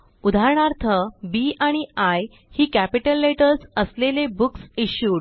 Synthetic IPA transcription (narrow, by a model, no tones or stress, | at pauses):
ud̪ʱaɾɳaɾt̪ʰəbiʔaɽ̃iaj | hiːkæpiʈəlːeʈəɾsəslelebuksiɕjuːɽ